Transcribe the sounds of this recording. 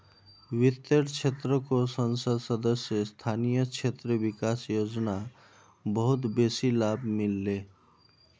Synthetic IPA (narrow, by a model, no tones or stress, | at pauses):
ʋɪt̪ːəɽt͡ʃʰet̪ɾəkosənsəd̪səd̪əsjəst̪ʰaːnijət͡ʃʰeːt̪ɾəʋɪkaːsjoːd͡ʒna | bəɦʊt̪beːsilaːbmɪlːeː